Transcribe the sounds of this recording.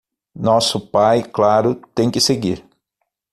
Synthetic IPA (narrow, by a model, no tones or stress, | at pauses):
nɔsʊpajklaɾʊt̪ẽj̃kɪseɡiɾ